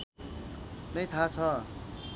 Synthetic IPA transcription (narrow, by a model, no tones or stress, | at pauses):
nʌjt̪ʰat͡sʰʌ